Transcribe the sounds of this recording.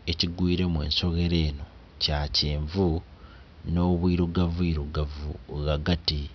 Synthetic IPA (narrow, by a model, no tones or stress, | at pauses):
e̞ciɡwiːɾe̞mwḛːnso̞ɣe̞ɾe̞ːno̞ | caceːɱvu | no̞ːβwiːɾuɡavuiːɾuɡavuɣaɡati